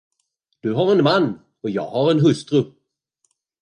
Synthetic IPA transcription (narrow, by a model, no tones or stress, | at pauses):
d̪̥ɵɦaɾɛnmanː | ɔjɑ̰ːɡhaɾɛnɦɵst̪ɾɵ